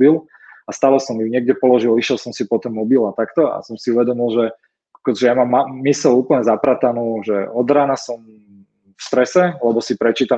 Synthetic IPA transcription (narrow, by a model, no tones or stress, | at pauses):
bil | ast̪aːlɛsɔmiɲɪɛɡ̚ɟɛpɔlɔʒiliʃjɛlsɔmsipɔt̪ɛnmɔbilat̪akt̪ɔa̰sɔmsiuʋɛd̪ɔmilʒɛ | akɔʒɛjamamːaːisɛluːpl̩ɲɛzapɾat̪anuːʒɛɔd̪ɾaːnasɔm | fst̪ɾɛsɛlɛbɔsipɾɛt͡ʃiːt̪a